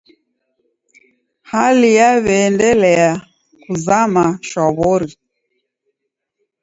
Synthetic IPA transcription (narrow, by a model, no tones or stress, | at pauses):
halijaβɛːndɛlɛa | kuzamaʃaβɔɾi